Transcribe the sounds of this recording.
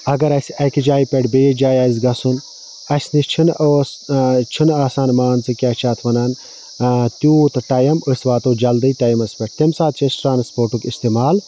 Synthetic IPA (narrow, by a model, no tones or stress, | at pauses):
ɐɡɐɾɐsʲɐkid͡ʒaːjpʲeʈbeːd͡ʒaːjaːzʲɡɐsun | ɐsʲnit͡ʃʰinoːst͡ʃʰinaːsaːnmaːnt͡sɨkʲaːt͡ʃʰaːt̪ʰʋɐnaːn | t̪ʲuːt̪ʈɐjɐmɨsʋaːt̪oːd͡ʒɐld̪ɨjt̪ɐjmɐspʲeʈt̪emsaːt̪̚t͡ʃʰesʈɾaːnspoːɾʈukist̪emaːl